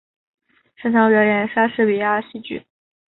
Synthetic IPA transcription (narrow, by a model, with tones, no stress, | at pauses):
ʂə˥ʈ͡ʂʰɑ˧˥pjɛ˧˥jɛ˧˥nʂa˥ʂɻ̩˥˩pi˨˩ja˥˧ɕi˥˩t͡ɕy̰˥˩˦